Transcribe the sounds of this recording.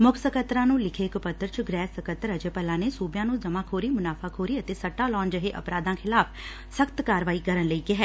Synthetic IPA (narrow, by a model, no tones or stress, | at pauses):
mʊkʰsəkət̪ːɾãːnũːlɪkʰeːkpət̪ːəɾt͡ʃɡɾɛːsəkət̪ːəɾəd͡ʒeːpəlãːneːsuːbjãːnũːzəmaːkʰoːɾiːmʊnaːpʰaːkʰoːɾiːət̪eːsəʈːaːlɔ̃ːnd͡ʒəɦeːʔə̰pɾaːd̪ãːkʰɪlaːpʰ | səkt̪kaːɾʋaːiːkəɾənləiːkɪɦɛː